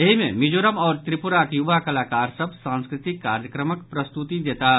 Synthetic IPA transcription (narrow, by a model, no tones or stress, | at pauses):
jɐɦimḛ̃mɪd͡ʒoːɾəmɔːɾt̪ɾɪpʊɾakjʊʋakɐlaːkaːɾsɐbsãːnskɾɪt̪ɪkːaːɾjəkɾəməkpɾɐst̪ut̪id̪eːt̪a